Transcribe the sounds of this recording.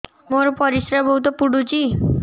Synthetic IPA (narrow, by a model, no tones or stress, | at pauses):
moɾpɔɾisɾabɔɦut̪ɔpuɽut͡ʃi